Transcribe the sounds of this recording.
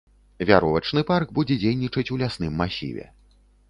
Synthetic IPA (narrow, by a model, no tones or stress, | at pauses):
vʲaɾɔvɐt͡ʂn̪ɨparɡbud͡zʲɛd͡zʲejnʲit͡ʂɐt͡sʲulʲasnɨmːasʲḭvʲɛ̰